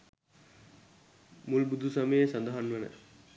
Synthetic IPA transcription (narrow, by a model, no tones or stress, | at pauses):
mulbud̪ʱusameesand̪aɦanʋənə̰